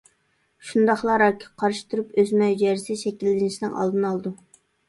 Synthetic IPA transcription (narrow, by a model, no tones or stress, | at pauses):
ʃund̪ɑχlˠɑɾɑkʲʰːi̥qʰɑɾʃi̥t̪ʰuɾupøzmɛjd͡ʒɛɾsɪʃɛkʲilːɪnɪʃinɪŋʔɑ̰lˠd̪ɨnɑlˠd̪u